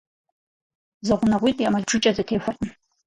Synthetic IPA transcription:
zɐʁʷʊnɐʁʷiːtʼjamɐɮʈ͡ʂʰɨt͡ʃʼɐzɐtʰeːfʷʊrʼəm

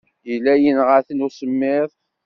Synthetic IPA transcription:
ilːæjənʁəθənusəmːɪðˤ

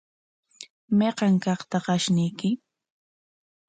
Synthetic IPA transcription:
meqɑŋkɑχt̪aqɑʃnɪjkɪ

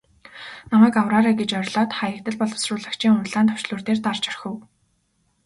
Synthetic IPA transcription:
namæːkawraːɾæːɡet͡ɕœɾʲɮɔːt̪χajə̆kt̪ə̆ɮpɔɮʊ̥srʊːɮə̆kt͡ɕʰiːŋʊɮaːnt̪ʰɔ̥wʃɮʊːrt̪eːrt̪art͡ɕœrxɘ̆w

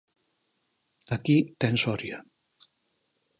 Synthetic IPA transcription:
akit̪ɛnsɔɾja

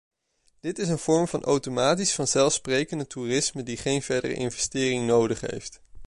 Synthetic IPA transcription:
d̥ɪtɪs̬ənv̥ɔɹmvɑnʔo̰wtomaːtisfɑnzɛlˠfsprejkəndətuːrɪsmədiχejnv̥ɛɹdə̰rə̰ʔɪ̰nvɛstɪːrɪŋnowdəχɦḛjft

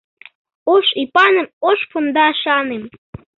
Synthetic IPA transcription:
oʃipɑnə̆moʃpund̪ɑʃɑnem

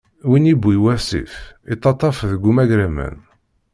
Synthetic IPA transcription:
winibːiwæsḭfit̪ˤːɑt̪ˤːɑfðəɡumæɡɾæmæ̰n

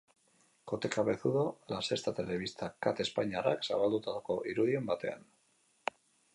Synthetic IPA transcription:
ko̞t̪e̞kaβe̞θuðo̞lase̞st̪at̪e̞le̞β̞ist̪ʰakat̪e̞spaɲara̰ksa̰βald̪ut̪aðoko̞ʔiɾuðie̞mbat̪e̞̰a̰n

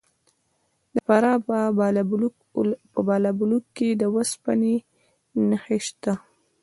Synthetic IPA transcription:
d̪əpaɾɑ | əbɑlabulukːed̪əwəspane | nəheʃt̪a

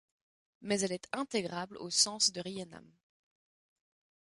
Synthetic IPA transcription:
mɛzɛlɛt̪ɛ̃t̪eɡʁablo̰sɑ̃sd̪əʁiɛna̰m

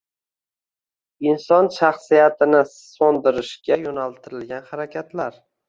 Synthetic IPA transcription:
insɒnʃaχsijat̪ʰɪnɪ | sɒnd̪ɪɾɪʃɡʲajonalt̪ʰɪɾɪlɡʲanhaɾakʲʰat̪laɾ

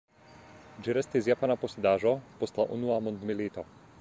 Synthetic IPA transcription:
d͡ʒiɾɛst̪izjapanapɔsɛd̪aːʒɔpɔst̪laʔṵnuamɔnd̪miliːt̪ɔ

